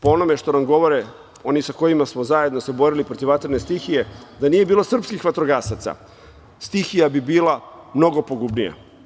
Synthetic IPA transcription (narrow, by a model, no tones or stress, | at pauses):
poo̞no̞me̞ʃt̪o̞namɡo̞ʋo̞ɾe | o̞nisako̞jimasmo̞zaje̞d̪nose̞bo̞ɾilipɾo̞t̪iʋat̪ɾne̞st̪ixije̞d̪anije̞biːlˠo̞sr̩pskixʋat̪ɾoɡaːsat̪sa̰ | st̪ixijabibiːlˠamno̞ɡo̞poɡubnija̰